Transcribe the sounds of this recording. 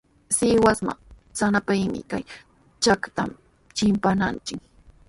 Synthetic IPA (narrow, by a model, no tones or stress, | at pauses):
sɪwasma̰ | sanapajmɪ̰kaj | t͡ʃakt̪am | t͡ʃɪmpanant͡ʃɪk̚